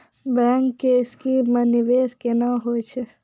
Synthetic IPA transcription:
bɛ̃ːŋkːeɪskimənɪʋeːskenaɦot͡ʃʰe

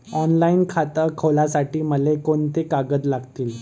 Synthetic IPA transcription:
ɔnlainkʰat̪əkʰəlasaʈiːməlekoɳt̪ekaɡəd͡z̪laɡt̪iːl

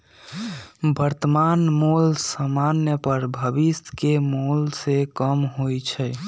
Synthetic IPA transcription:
bəɾt̪əmanmolsəmanjəpəɾbʱəbist̪kemolsekəmɦojt͡ʃʰɛ

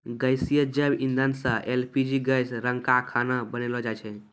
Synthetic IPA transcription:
ɡəjsijəd͡ʒəbind̪ənsəʔelpʰid͡ʒiɡəjsɾəŋkakʰanabənelɔd͡ʒajt͡ʃʰɛ

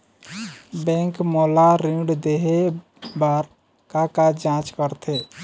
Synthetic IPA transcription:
bɛ̃ŋkmolaɾĩɖd̪eɦe | baɾ | kakad͡ʒãt͡ʃkəɾt̪ʰe

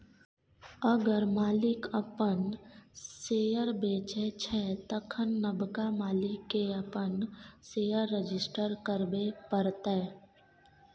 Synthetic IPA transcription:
əɡəɾmaːlɪkəpənseːjəɾbeːt͡ʃɛt͡ʃʰɛːt̪əkʰənːəbkamaːlɪkːeəpənseːjəɾːed͡ʒɪsʈəɾkəɾbepəɾt̪e

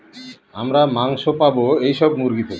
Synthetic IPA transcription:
amɾamaŋʃopaboejʃɔbmuɾɡit̪o

